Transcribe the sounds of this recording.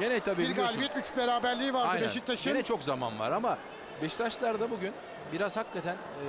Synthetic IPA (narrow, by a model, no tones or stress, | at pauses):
ɟenɛt̪ʰabiiɾɡalʲit̪yt͡ʃbeɾaːbæɾlʲiːvaɾdaj̪neʃit̪ʰːaʃɟenɛt͡ʃʰo̞kzama̰nva̰ɾama | bɛʃt̪ʰaʃlˠaɾd̪abuɟyn | biɾazhakːat̪ʰæn